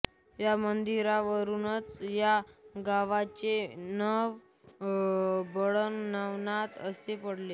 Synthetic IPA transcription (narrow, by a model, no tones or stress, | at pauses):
jamənd̪iɾaʋəɾunət͡sjaɡaʋat͡ɕenəʋ | bəɭənnaʋnat̪əsepəɽle